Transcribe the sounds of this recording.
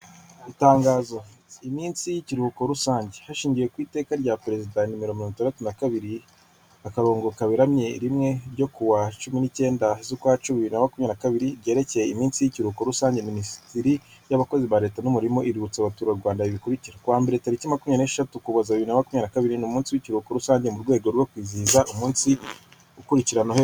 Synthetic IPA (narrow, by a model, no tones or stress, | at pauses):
itaːŋɡaːzo̞imiːnsijiciɾuhuko̞ɾusaːɲɟehaʃiːɲɟije̞kwiːte̞ːkaɾɟapɾe̞zidanimiɾominonitaːndatunakaβiɾi | akaɾo̞ːŋɡo̞kaβiɾamɲe̞ɾimŋe̞ɾɟo̞kuwat͡ʃuminice̞ːndazukwat͡ʃuβiβiɾinamakumɲanakaβiɾiɾɟe̞ːɾe̞ce̞jeimiːnsijiciɾuko̞ɾusaːɲɟe̞minisi̥tiɾijaβako̞ziβaɾe̞ːtanumuɾimo̞ʔiɾiut͡saβatuːɾaɾɡwaːndaiβikuɾiciɾakuwaːmbeɾetaɾicimakumɲaneʃatukuβazaβiβiɾinamakumɲanakaβiɾinumuːnsiwicuɾuko̞ɾusaːɲɟe̞muɾɡwe̞ːɡo̞ɾwo̞kwiːziːzaʔumuːnsi | ukuɾiciɾanohe